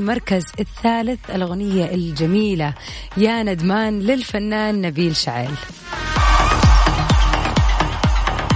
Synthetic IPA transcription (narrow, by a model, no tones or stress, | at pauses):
mɑɾˤkazɪθːaːlɪθɪlɣʊnɪjːaʔɪld͡ʒamiːla | jaːnad̪maːnlɪlfanːaːnːabiːlʃaʕeːl